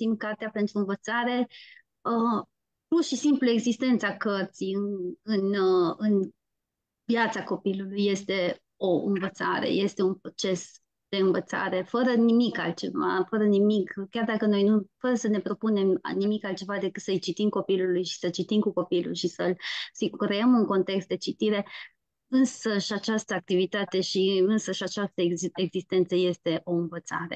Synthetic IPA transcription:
simkart̪eape̞nt̪ɾuɨnvət̪saɾe̞ | ə | purʃisimplue̞ɡzist̪e̞nt̪səakərt̪sijɨnɨnɨn | vjat̪sako̞pilulujːe̞st̪e̞ | o̞ɨ̰nvət̪sa̰ɾḛje̞st̪e̞unpɾo̞t͡ʃe̞s | d̪̥e̞ɨnvət̪sa̰ɾe̞fəɾənimikalt̪̚t͡ʃe̞̰va̰fəɾənimikkʲjard̪akəno̞jnufəɾəsəne̞pɾo̞pune̞mnimikalt̪̚t͡ʃe̞vad̪e̞kɨt̪səɨjt͡ʃit̪imko̞pilulujʃi̥sət͡ʃit̪imkuko̞pilṵlʃisəlsikɾe̞əmɨŋko̞nt̪e̞kst̪̚d̪e̞t͡ʃit̪iɾe̞ | ɨnsəʃiat͡ʃast̪əak̚t̪ivit̪at̪e̞ʃiɨnsəʃiat͡ʃast̪əeɡzist̪e̞nt̪səje̞st̪e̞ʔo̞ɨnvət̪sa̰ɾe̞̰

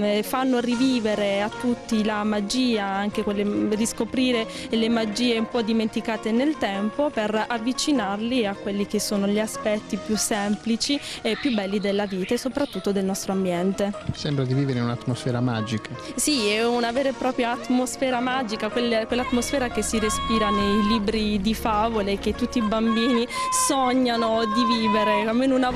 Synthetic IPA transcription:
fanːoriviːveɾeat̪ːut̪ːilamad͡ʒiːaaŋk̟ekwelːeriskopɾiːɾe | lemad͡ʒiːeumpɔd̪iment̪ikaːt̪enelt̪ɛmpoperavːit͡ʃinarliakwelːik̟esːoːnoʎiaspɛt̪ːipjusːɛmplit͡ʃiepːjubɛlːid̪elːaviːt̪asopɾat̪ːut̪ːod̪elnɔst̪ɾoambjɛnt̪esɛmbɾad̪iviːveɾeunat̪ːmosfɛːɾamad͡ʒikʰasiɛunavɛːɾepɾɔːpɾjaːt̪ːmosfɛːɾamad͡ʒikakwelːekwelːat̪ːmosfɛːɾak̟esːiɾespiːɾanejliːbɾid̪ifavolek̟ːet̪ːut̪ːibambiːnisɔɲːanod̪iviːveɾeamːeːnuna

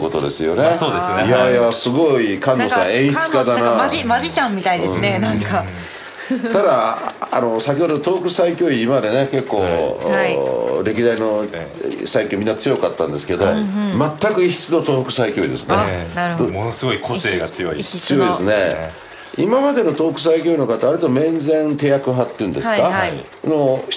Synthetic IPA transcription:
ko̞t̪o̞d̪e̞sɨjo̞nesoːd̪esnjajasɨɡo̞ikãnːosã̰ẽ̞ɰ̃çi̥t͡sɨ̥kad̪anamad͡ʑit͡ɕãmːʲit̪aid̪ẽsːnenãŋka | t̪ad̪aa̰no̞sakʲiod̪ot̪o̞ːkɯ̟saikʲoːiːmad̪e̞neke̞kːoː | ɾe̞k̬ʲid̪aino̞ | saikʲːoːmʲĩnːat͡sɨjo̞kat̪ːã̰nd̪e̞sɨ̥ke̞d̪o̞mat̪ːakɯ̟içi̥t͡sɨno̞t̪o̞ːkɯ̟̥saikʲo̞ːḭd̪e̞sɨnead̪omonosɨɡo̞ikʰoseːɡat͡sɨjoḭt͡sɨjo̞id̪esɨne̞ | imamad̪e̞no̞t̪o̞ːkɯ̟saik̬ʲoːino̞kat̪ːaβaɾʲit̪o̞mẽ̞nd͡zẽ̞nt̪e̞ːjakɯ̟ɦat̪ːeɯ̃nd̪e̞sɨ̥ka | noç

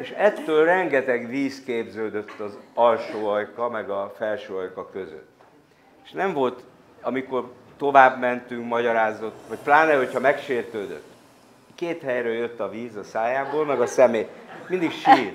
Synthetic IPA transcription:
eʃɛt̪ːøːlrɛŋɡɛt̪ɛɡʋiːskeːbzøːd̪øt̪ːɒzɒlʃoːɒjkɒmɛɡɒfɛlʃøːɒjkɒkø̞zø̰t̪ː | eʃnɛɱvo̞lt̪ | ɒmiko̞rt̪o̞vaːbmɛnt̪yŋkmɒɟɒɾaːzo̞t̪ːʋɒcplaːnɛho̞cʰhɒmɛkʃeːrt̪øːd̪ø̰t̪ː | keːt̪hɛjɾøːjøt̪ːɒviːzɒsaːjaːboːlmɛɡɒsɛmeːmind̪ikʃiːrt̪

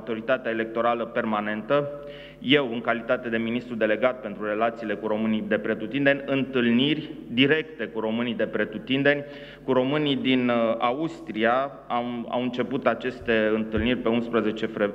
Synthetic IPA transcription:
t̪o̞ɾit̪at̪eaele̞k̚t̪o̞ɾaləpe̞rmane̞nt̪ə | je̞wɨŋkalit̪at̪e̞d̪e̞minist̪ɾud̪e̞le̞ɡat̪̚pent̪ɾure̞lat̪siːle̞kuɾo̞mɨnijd̪e̞pɾe̞t̪ut̪ind̪e̞nʲɨnt̪ɨlnirʲd̪iɾe̞kt̪e̞kuɾo̞mɨnijd̪e̞pɾet̪ut̪ind̪e̞nʲ | kuɾo̞mɨnid̪inaust̪ɾia | ama̰wɨnt͡ʃe̞put̪at͡ʃe̞st̪e̞ɨnt̪ɨlnirʲpe̞unspɾəze̞t͡ʃe̞fɾe

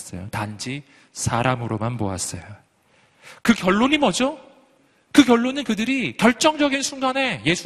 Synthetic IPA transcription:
s͈ʌ̰jo̰tand͡ʑi | sʰaɾamɯɾomanpoa̰s͈ʌ̰jo | kɯkjʌɭːoɲimʌd͡ʑo | kɯkʲjʌɭːonɯnkɯdɯɾikjʌɭt͡ɕ͈ʌŋd͡ʑʌɡinsʰuŋɡane̞je̞sʰu

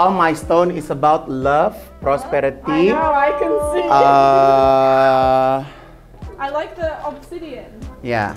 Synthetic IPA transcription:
almajst̪õnɪsəbawt̪̚laf | pɾɔspɛɾit̪iaɪkɨ̃nsia | ʔaɪlaɪk̚ðəɔpsiɾiɨ̃nja̰

